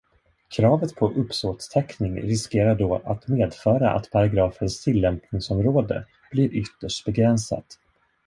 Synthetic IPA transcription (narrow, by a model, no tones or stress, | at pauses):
kʰɾɑːvət̪pʰɔʔɵpsoːt̪t̪ʰɛknɪŋɾɪskeːɾaɖɔːʔat̪meːd̪fœːɾa̰ʔa̰t̪pʰaɾaɡɾɑːfənst̪ʰɪlːɛmpnɪŋsɔmɾoːd̪ə̰ | b̥lɪɾʔʏt̪ːəʂʈ̚bɛɡɾɛnsa̰t̪